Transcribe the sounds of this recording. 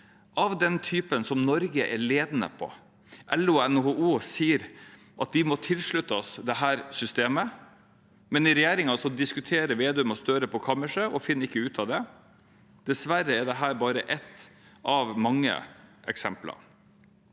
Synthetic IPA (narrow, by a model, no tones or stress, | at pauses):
ʔɑʋd̪ɛnt̪ʰyːpənsɔmnɔɾɡəʔɛɾɭeːd̪nə̰pʰɔ̰ | ʔɛlːʊɛnhouːsiːəɾ | ʔɑt̪̚d̪ɪmɔt̪ʰɪlʂɭʉt̪ːɑsd̪ɛɦæːɾsʏst̪eːmə | mɛnɪɾɛjeːɾɪŋɑsɔd̪ɪskʉt̪ʰeːɾəɾʋeːd̪ʉmɔst̪øːɾəpʰɔkʰɑməʂəʔɔfɪnːəɪkːəʉːt̪ʰɑʋd̪ɛ | d̪̥ɛsʋæɾːəɛd̪ɛɦæːɾbɑːɾəʔɛt̪ːʔɑʋmɑŋːə̰ʔɛ̰ksɛmplɑ̰